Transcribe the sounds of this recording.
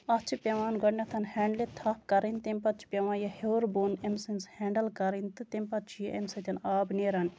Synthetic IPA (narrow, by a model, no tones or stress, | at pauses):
ɐt͡ʃʰipʲeʋaːnɡɐɳːɐt̪ʰɐnhɛːɳɖlet̪ʰaːp̚kɐɾint̪emʲpɐt͡ʃʰi̥pʲeʋãːjɐhewɾbunemsinshɛːɳɖɐlkɐɾint̪ɨt̪emʲpɐt͡ʃʰijʔemsɐt̪ʲɐnaːbneːɾɐnʲ